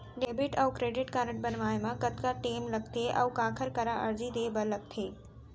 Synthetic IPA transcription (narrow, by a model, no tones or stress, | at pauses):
ɖeːbɪʈɐːkɾeːɖɪʈkaːɾəʈ̚bɐnʋaːemãkɐt̪kaʈeːmlɐɡ̚t̪ʰeːʔɐ̰ːkãːkʰəɾkɐɾãʔɐɾd͡ʑid̪eːbɐlɐɡ̚t̪ʰeː